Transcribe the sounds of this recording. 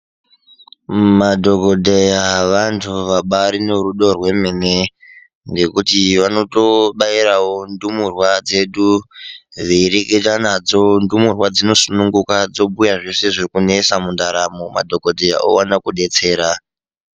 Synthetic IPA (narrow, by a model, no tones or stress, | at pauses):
madʱo̞ko̞dʱejaʋantʰuʋaɓaɾineɾuɗorwe̞mene | ŋɡe̞kutiʋano̞to̞ɓaiɾawo̞ndumurwad͡ze̞ɗu | ʋiɾiketanad͡zondumurwad͡zino̞sunuŋɡukad͡zo̞ɓujaʐe̞se̞ʐekune̞samundaɾamoma̰dʱo̞ko̞dʱeja̰o̰wanakuɗe̞t͡se̞ːɾa